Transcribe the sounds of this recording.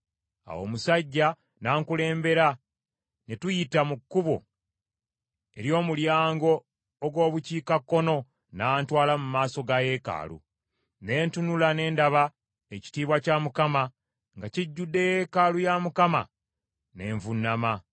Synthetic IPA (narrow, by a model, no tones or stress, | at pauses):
a̰wo̞̰ːmusaɟːa | naːŋkule̞ːmbe̞ɾa | netujitamukːuβo̰ | e̞̰ɾjo̞ːmuljaːŋɡo̞ː | ɡwo̞ːβuciːkakːo̞no̞ | naːntwaːlamumaːso̞ɡaje̞ka̰ːlṵ | ne̞ːntunulane̞ːndaβa | eci̥tiːβwacamukama | ŋɡaciɟːudːe̞je̞kaːlujamukama̰ | ne̞ːɱvunːama